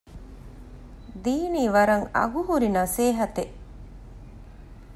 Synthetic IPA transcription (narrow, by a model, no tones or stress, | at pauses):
d̪iːniːʋɐɾɐŋɐ̰ɡuɦuɾinɐseːɦɐt̪eʔ